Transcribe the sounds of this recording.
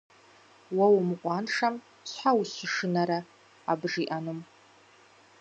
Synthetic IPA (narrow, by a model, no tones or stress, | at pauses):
wawmɨqʷʼɑnʂam | sʷħawusɨʂɨnaɾaː | bʐiʔanɨm